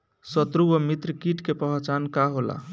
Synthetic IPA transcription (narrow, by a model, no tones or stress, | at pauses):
sət̪ɾuwəmit̪ɾəkiʈkepəɦt͡ʃankaɦola̰